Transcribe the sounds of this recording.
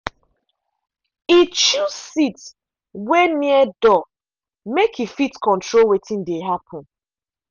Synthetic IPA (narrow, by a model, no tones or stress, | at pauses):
it͡ʃussit | wɛniɛdɔ | mekʰifitkɔ̃ntʰɹolwetʰĩndeɦapʰɔ̃n